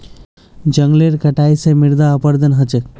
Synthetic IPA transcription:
d͡ʒəŋɡleɾkəʈajsemiɾd̪aːpəɾd̪ənɦət͡ʃe

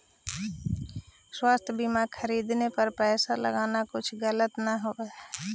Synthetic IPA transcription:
swaːst̪ʰjəbimakʰəɾiːd̪nepɐɾpɛːsalə̰ɡaːnakʊt͡ʃʰɡələt̪naɦoe

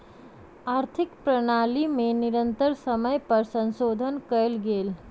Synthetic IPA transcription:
aɾt̪ʰikpɾənalimeniɾənt̪əɾsəməjpəɾsənsod̪ʱənkəlɡel

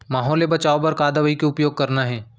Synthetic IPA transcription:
maːɦɔːlebɐt͡ʃaːopɐɾkaːd̪əʋəikeʊpjoːɡ̚kɐɾnaɦɛː

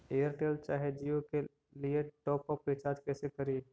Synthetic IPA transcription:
eːəɾʈeːlt͡ʃaːɦed͡ʒijõke | lieʈɔːpɔpːet͡ʃaːd͡ʒkɛːsekəɾi

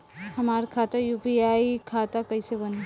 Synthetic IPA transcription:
həmaːɾkʰaːt̪ajupiaikʰaːt̪akəɪsebəne

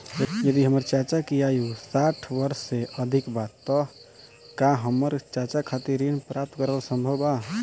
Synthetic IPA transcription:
jəd̪iɦəməɾt͡ʃat͡ʃakijajusaʈʰbəɾsːeʔəd̪ʱikbat̪ːɔ | kaɦəmːəɾt͡ʃat͡ʃakʰat̪iɾinpɾap̚t̪kəɾəlsə̃mbʱəba

